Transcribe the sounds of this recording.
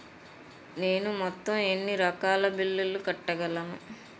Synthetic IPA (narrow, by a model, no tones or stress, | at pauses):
neːnumɔt̪ːɐme̞nːiɾɐkaːlɐbilːulukɐʈːɐɡɐlɐnu